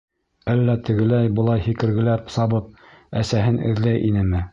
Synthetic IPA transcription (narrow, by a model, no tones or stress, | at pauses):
ælːæt̪ɘ̆ɡɘ̆læjbɤ̆lˠɑjhikɘ̆ɾɡɘ̆læpsɑβɤp̚ | æsæɦɘnɘ̰̆ðlæjʔinɘmɘ